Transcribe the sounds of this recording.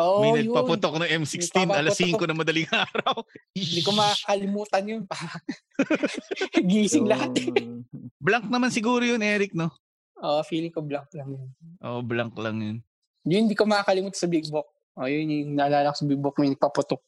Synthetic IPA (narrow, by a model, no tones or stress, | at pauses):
ʔomɐjnɐɡj̚pɐpʊt̪ok̚nɐŋʔɛmsikst̪inʔɐlɐsiːŋkonɐmɐd̪ɐliŋʔaːɾɐwnd̪ikomɐakɐlɪmuːt̪ɐnjonpa | ɡiːsɪŋlɐɦat̪ | blɐŋk̚nɐmansɪɡuːɾojonʔɛːɾɪk̚no | ʔofiːlɪŋkoblɐŋklɐŋjonʔo̰ʔblɐŋklɐŋjon | jʊnɪnd̪iːkomɐakɐlɪmuːt̪ɐsɐbɪk̚bok̚ | ʔojonŋnɐʔɐlaːlɐkosɐbɪk̚bok̚mjnɐɡ̚pɐpʊt̪ok̚